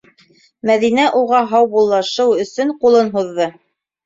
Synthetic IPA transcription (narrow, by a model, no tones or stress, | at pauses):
mæðinæʔuʁɑɦɑwbulˠːɑʃɤwɵ̆sɵɴqulˠɤnɦuðːɤ